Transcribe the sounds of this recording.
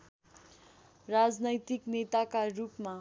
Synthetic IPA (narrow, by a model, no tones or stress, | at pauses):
rad͡znʌjt̪iknet̪akarupma